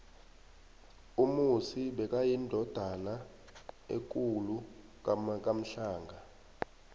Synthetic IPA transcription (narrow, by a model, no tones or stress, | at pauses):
umusiɓɛk̬ʼajindʱɔd̥ʱana | ḛk̬ʼulu | kkʼam̩ɬaːŋɡʱa